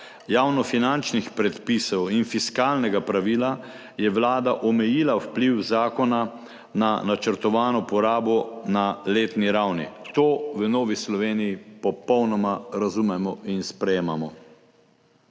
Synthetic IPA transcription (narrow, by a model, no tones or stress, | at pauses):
jaːwnɔfinant͡ʃnixpɾɛt̪pisɔwinfiskaːlnɛɡapɾaʋiːla | jɛʋlaːd̪aʔɔmɛjiːlawpliwzaːkɔna | nanat͡ʃəɾt̪ɔʋaːnɔpɔɾaːbɔnaleːt̪niɾawnḭt̪oːʋənoːʋislɔʋeːnijipɔpɔwnɔmaɾazumɛmɔʔinspɾɛjeːmamɔ